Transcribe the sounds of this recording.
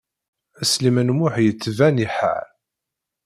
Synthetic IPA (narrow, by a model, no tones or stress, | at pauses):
æslimənmʊħjət͡sːvæniħa̰ʕ